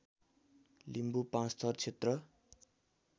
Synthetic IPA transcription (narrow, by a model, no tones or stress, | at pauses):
limbupãst̪ʰʌrt͡sʰet̪rʌ